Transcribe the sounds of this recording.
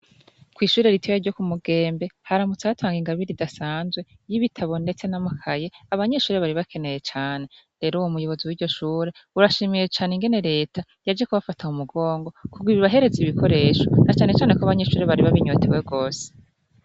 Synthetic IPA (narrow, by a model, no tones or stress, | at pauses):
kwiːʃuːɾe̞ɾitioaɾɟo̞kumuɡe̞ːmbe̞haɾamut͡saatʰaːŋɡiŋɡaβiɾidasaːnzwe̞ | jiβitʰaβo̞nde̞t͡se̞namukʰaje̞aβaɲe̞ʃuːɾe̞βaɾiβakʰe̞ne̞je̞t͡ʃaːne̞ | ɾe̞ːɾuwomujo̞βo̞ziwiːɾɟo̞ʃuːɾe̞ | uɾaʃimije̞t͡ʃaːneŋɡe̞ne̞ɾe̞ːtʰa | jad͡ʒekuβafatʰaumuɡo̞ːŋɡo̞kuɡwiβiβaɦe̞ɾe̞ziβikʰo̞ɾe̞ːʃo̞nat͡ʃaːne̞t͡ʃaːnekoaβaɲe̞ʃuːɾe̞βaɾiβaβiɲotʰewe̞ɡo̞ːse̥